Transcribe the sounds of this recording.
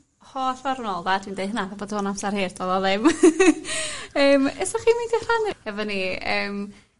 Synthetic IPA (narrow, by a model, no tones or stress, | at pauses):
hɔːɬvaɾʊnɔlˠdatʰwiːndejðɦənaðaboːdonamsarheːrdvoðɔðɪm | əːmɛsɔχiːmindir̥anɪhɛvɔniəːm